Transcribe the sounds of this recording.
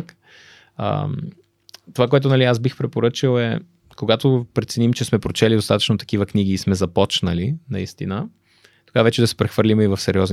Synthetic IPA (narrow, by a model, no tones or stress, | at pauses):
k | ə̰m | t̪ovakoɛt̪ʊnɐliasbixpɾɛpoɾɤt͡ʃilˠɛ | koɡat̪opɾɛt̪sɛnimt͡ʃɛsmɛpɾot͡ʃɛlid̪ost̪at̪ə̥t͡ʃnot̪ɐ̥kivəkniɡiːsmɛzɐpɔt͡ʃnəlinɐist̪inə | t̪oɡavɛt͡ʃɛd̪ɐsɛ̥pɾɛxvəɾlimɛivɐfsɛɾiɔzn